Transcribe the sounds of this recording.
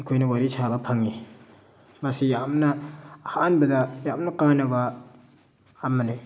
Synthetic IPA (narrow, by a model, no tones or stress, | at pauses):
ikʰojnɐwaɾisʰabapʰaŋi | mɐsijamnahaanbɐdajamnɐkanɐβa | mːane